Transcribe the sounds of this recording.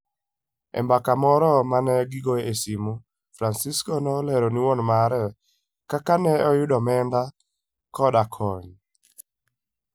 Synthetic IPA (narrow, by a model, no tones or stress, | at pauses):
ɛ̰mbakamɔɾɔmanɛɡiɡoesimu | fɾansiskɔnɔlɛɾoniwɔnmaɾɛ | kakanɛɔjʊdɔmɛnda | kɔdakʰɔɲ